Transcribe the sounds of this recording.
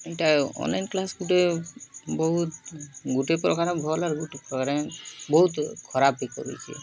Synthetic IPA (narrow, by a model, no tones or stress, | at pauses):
ejʈaɔ̰nlajnklasɡuʈe | bɔɦut̪ɡuʈepɾɔkaɾebʱɔlaɾɡuʈepɾɔkaɾebɔɦut̪kʰɔɾabikɔ̰ɾṵjt͡ʃʰḭ